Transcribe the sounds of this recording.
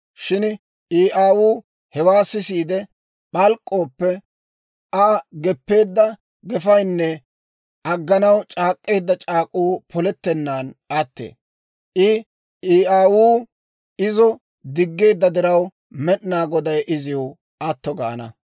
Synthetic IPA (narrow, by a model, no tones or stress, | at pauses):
ʃɪn | iːʔaːwuː | hɛwaːsɪsiːd̪ɛ | ɓɐlkʼːo̞ːpːɛ | ʔɐɡɛpːe̞ːd̪ːɐ | ɡɛfɐjnːɛ | ʔɐɡːɐnɐwt͡ʃʼaːkʼːe̞ːd̪ːɐt͡ʃʼaːkʼuːpʰɔlɛt̪ːɛnːaːnʔɐt̪ːḛː | ʔɪ | ʔiːaːwuː | ɪzɔ | d̪ɪɡːe̞ːd̪ːɐd̪ɪɾɐw | mɛɗnaːɡɔd̪ɐjʔɪzɪw | ʔɐt̪ːɔɡa̰ːnɐ̰